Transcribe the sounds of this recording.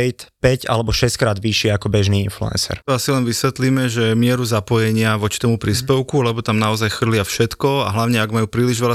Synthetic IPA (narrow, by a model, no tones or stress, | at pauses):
jt̪pɛɟa̰lɛbɔʃɛskɾaːd̪ʋiʃɪɛakɔbɛʒniːinflṵɛ̰nsɛ̰ɾt̪ɔasilɛnʋisʋɛt̪liːmɛʒɛmɪɛɾuzapɔjɛɲɪaʋɔt͡ʃi̥t̪ɔmupɾiːspɛʊkulɛbɔt̪amnaɔzajxr̩lɪafʃɛt̪kɔa̰ɦlaʊɲɛaɡmajuːpɾiːliʒʋɛʎa